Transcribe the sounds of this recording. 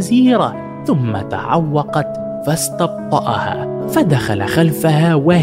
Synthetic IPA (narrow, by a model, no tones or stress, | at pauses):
ziːɾa | θʊmːa̰t̪a̰ʕawːɑqɑt̪ | fɑst̪ɑb̚t̪ˤːɑ̰ʔɑ̰ha̰ːfad̪axa̰la̰xalfahaːwa